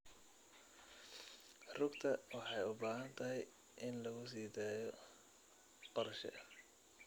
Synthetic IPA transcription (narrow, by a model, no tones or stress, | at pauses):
rʊɡt̪ʰɐwɑħɑjʊbaːɦɐnt̪ʰɐɦɛj | ʔɪnlɐɣʊs̬iːd̪aːjɔ | qɔɾʃɛ̰ʔɐ